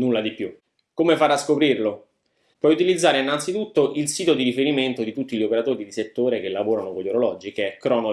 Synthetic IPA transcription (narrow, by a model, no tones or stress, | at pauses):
nulːad̪ipju | komefaɾaskopɾirlo | pwɔjut̪ilid̪zːaːɾeinːant̪sit̪ut̪ːoʔilsiːt̪od̪iɾifeɾiment̪od̪it̪ut̪ːiʎiopeɾat̪oːɾid̪iset̪ːoːɾek̟elːavoːɾanokoʎoɾolɔd͡ʒikekɾɔːno